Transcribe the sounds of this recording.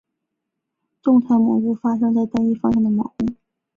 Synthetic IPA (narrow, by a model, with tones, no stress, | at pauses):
ʈ͡ʂʊ˥˧ŋt̪ʰa˧˥mɑ̰˨˩ŋu˥˩fa˥ʂ̬ɤ˥ŋt͡sa˥˩ɪt̪a˥ni˥fɑ˥ŋʂɑ˥˩ŋd̪ə˩mɑ̰˨˩ŋu˥˩˦